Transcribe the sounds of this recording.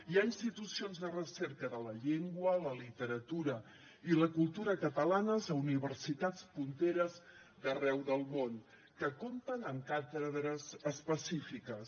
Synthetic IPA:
iainst̪it̪usionzðərəsɛɾkəðələʎeŋɡwələlit̪əɾət̪uɾə | iləkulˠt̪uɾəkət̪əlanəzəuniβərsit̪at͡spunt̪eɾəz | ðərɛwðəlˠmon | kəkomt̪ənəŋkat̪əðɾəzəspəsifikəs

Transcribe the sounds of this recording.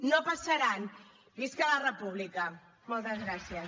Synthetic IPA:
nopasaɾan | biskələrəpuβlikə | molˠt̪əzɣɾasiə

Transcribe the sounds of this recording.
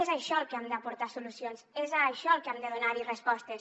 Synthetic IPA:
ezaʃɔlˠkeamd̪apuɾt̪asulusjonzezaʃɔəlˠkamd̪eðunaɾirespɔst̪es

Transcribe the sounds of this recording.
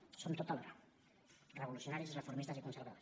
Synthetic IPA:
sont̪ot̪alr | reβoluθjonaɾjesrefoɾmist̪asikonseɾβaes

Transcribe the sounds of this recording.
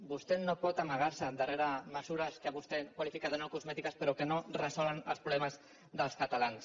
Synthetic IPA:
bust̪enopɔt̪aməɣaɾsəd̪əreɾaməzuɾəskaβust̪ekwalifikaðənokuzmɛt̪ikəspəɾokənorəsɔlənə̰lˠspɾulɛməz | ðəlˠskat̪alans

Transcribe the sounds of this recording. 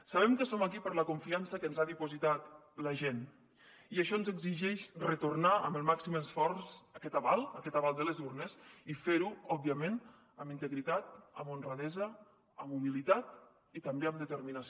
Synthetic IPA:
saβ̞ɛmkəsomakipəɾləkuɱfiansəkənzaðipuzit̪at̪ | ləʒen | iəʃɔənzəɡziʒɛʃrət̪urnaə̰məlˠmaksiməsfɔɾsəkɛt̪aβalˠəkɛt̪aβalˠd̪ələzurnəsifeɾuɔbiəmen | əmint̪əɣɾit̪at̪əmonrəðɛzəː | mumilit̪at̪̚ | it̪ɐmbeəmd̪ət̪əɾminas

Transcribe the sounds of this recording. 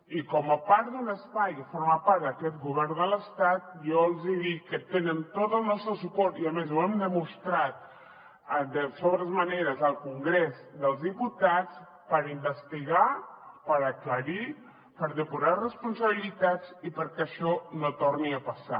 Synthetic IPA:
ikɔməpaɾt̪d̪unəspajəfoɾmapaɾt̪d̪əkɛt̪̚ɡuβɛɾnd̪ələst̪at̪̚joəlˠziðikːət̪enənt̪ot̪əlˠnɔst̪ɾəsupɔɾt̪iəmezuɛmd̪əmust̪ɾat̪̚ | əd̪əsoβɾəzməneɾəzəlˠkuŋɡɾezd̪əlˠzðiput̪at͡s | pəɾimbəst̪iɣapəɾəkləɾi | pəɾðəpuɾarəspunsəβ̞ilit̪at͡sipəɾkəʃɔnot̪orniəpəsa

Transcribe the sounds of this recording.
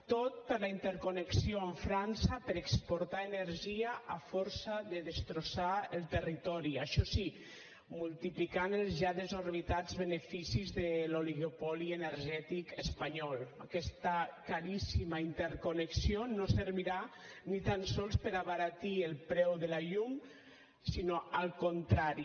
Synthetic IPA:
t̪ot̪̚pəɾlaint̪əɾkoneksioəɱfɾansəpəɾəkspoɾt̪aenəɾʒiəafɔɾsəðəðəst̪ɾosaəlˠt̪ərit̪ɔɾiaʃɔsi | mulˠt̪iplikanəlˠzʒaðəzoɾβit̪ad͡zβənefisizðəloliɣopɔliənəɾʒɛt̪ikəspaɲɔlˠakɛst̪akaɾisimaint̪əɾkoneksionosəɾβiɾa | nit̪ansɔlˠspəɾaβaɾat̪iəlˠpɾɛwðəlaʎum | sinoalˠkont̪ɾaɾi

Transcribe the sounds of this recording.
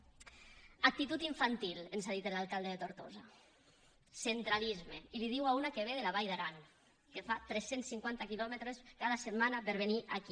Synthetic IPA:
ak̚t̪it̪ut̪iɱfant̪ilenzaðit̪elalˠkalˠd̪eðet̪oɾt̪oza | sent̪ɾalizmeiliðiwaunakeβ̞eðelaβ̞ajðaɾaŋ | kefat̪ɾɛsensːiŋkwant̪akilɔmet̪ɾeskaðaset̪manapeɾβeniʔaki

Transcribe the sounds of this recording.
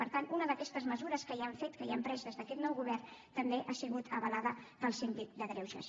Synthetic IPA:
pəɾt̪anunəðəkɛst̪əzməzuɾəskəiaɱfet̪kəiampɾɛzðəzðəkɛt̪nɔwɣuβ̞ɛrnt̪əmbeʔasiɣut̪ʰəβəlaðəpəlˠsemt̪it̪̚d̪əɣɾɛwʒə̰s

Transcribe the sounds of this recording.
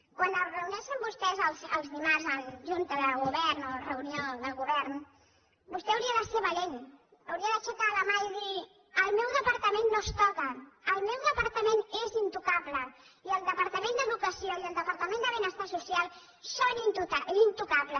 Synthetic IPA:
kwanəlrəunɛʃəmbust̪ɛzəlˠzəlˠzðimazəlʒunt̪əðəlˠɣuβɛɾnorəunioðəlˠɣuβɛɾn | bust̪ɛəwɾiəðəsɛβaleɲ | əwɾiəðət͡ʃɛkaləmaiði | əlˠmɛwðəpəɾt̪əmẽnːost̪ɔkəːlˠmɛwðəpəɾt̪əmenezint̪ukaβlə | iəlˠd̪əpəɾt̪əmẽnd̪əðukəsioiəlˠd̪əpəɾt̪əmẽnd̪əβinəst̪asusialˠ | ʃɔint̪ut̪aʔint̪ukaβlə

